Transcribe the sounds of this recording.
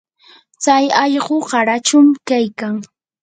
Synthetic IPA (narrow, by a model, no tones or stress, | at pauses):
t͡sajɑʎɢoɢɑɾat͡ʃʊmkajkaŋ